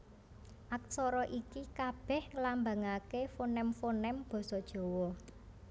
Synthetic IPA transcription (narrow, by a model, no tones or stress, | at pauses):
ʔak̚sɔɾɔʔikikab̥ɛ̤hŋəlambaŋakefonɛmfonɛmb̥ɔ̤sɔd̥ʒ̥ɔ̤wɔ